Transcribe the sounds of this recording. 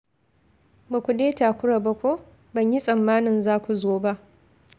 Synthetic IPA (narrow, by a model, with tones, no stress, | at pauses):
ba˨kʷu˨deː˦taː˨kʷʊ˦ɽa˨bɐ˦kʷoː˦ | bɐ˨ɲji˦sʼɐ˨mːaː˦nɪ˨nzaː˦kʷu˨zoː˦ba˦ʔ